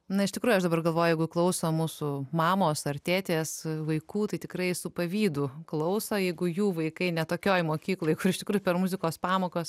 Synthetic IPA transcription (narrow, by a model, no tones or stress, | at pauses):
nɐɪʃt̪ʲɪkɾuːjʊɐʃd̪ɐbɐrɡɐlˠʋoːjʊjɛɪɡʊklˠɐʊsomuːsʊmɑːmoːsɐrt̪ʲæːt̪ʲeːsʋɐɪkuːt̪ɐɪt̪ʲɪkɾɐɪsʊpɐʋʲiːd̪ʊklˠɐʊsojɛɪɡʊjuːʋɐɪkɐɪnʲɛt̪oːkʲoːjmoːkʲiːklˠoːjkʊɾɪʃt̪ʲɪkɾuːjʊpʲɛɾmʊzʲɪkoːspɑːmoːkoːs